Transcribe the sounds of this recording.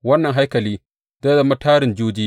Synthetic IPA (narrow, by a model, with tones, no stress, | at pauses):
wɐ˦nːɐ˨ŋɦa˦jkɐ˨liː˦ | dɐ˦da˨mɐ˦tʰaː˦ɾɪ˨nd͡ʒuː˦d͡ʒiː˦